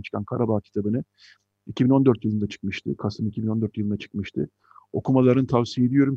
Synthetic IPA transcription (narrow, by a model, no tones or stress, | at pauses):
t͡ʃʰɯ̥kʰankʰaɾabaːcʰi̥t̪ʰabɯnɯ | icʰibino̞nd̪øɾt̪jɯlˠɯnd̪at͡ʃʰɯ̥k̚mɯʃt̪ʰɯ̰kʰasɯmicʰibino̞nd̪øɾt̪jɯlˠɯnd̪at͡ʃʰɯ̥kmɯʃt̪ʰɯ̰ | o̞̰kʰumalˠaɾɯnɯt̪ʰavsijed̪ijo̞ɾum